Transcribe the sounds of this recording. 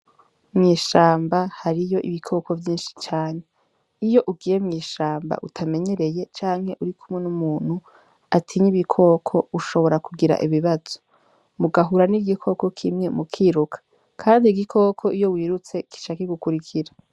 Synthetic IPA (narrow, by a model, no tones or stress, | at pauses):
mɲiːʃaːmbahaɾijo̞ʔiβikʰo̞ːkʰo̞vjiːnʃi̥t͡ʃaːɲe̞ | ijo̞ʔuɡije̞mŋiːʃaːmba̰ʔutʰame̞ɲe̞ɾe̞je̞t͡ʃaːŋhe̞ʔuɾikʰumŋenumuːn̥hu | atʰiɲiβikʰo̞kʰo̞uʃo̞βo̞ɾakuɡiɾa̰ʔiβiβaz̥o̥ | muɡaɦuɾaniɡikʰo̞ko̞kʰimŋe̞mukʰiːɾukʰḁ | kʰaːndiɡikʰo̞ːkʰo̞ʔijo̞wiːɾut͡se̞ki̥ʃaːkeɡukuɾikʰiɾa